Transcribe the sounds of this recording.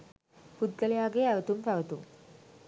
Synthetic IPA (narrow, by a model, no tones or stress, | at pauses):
pud̪̚ɡəlejaːɡeæʋət̪umpæʋət̪ṵm